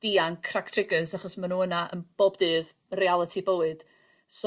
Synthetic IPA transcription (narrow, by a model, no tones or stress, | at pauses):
d̥iankʰraktʰrɪɡəsaχɔsmanuːənaʔənb̥oːbdɨːð | realˠətʰibəwɨd̥ | s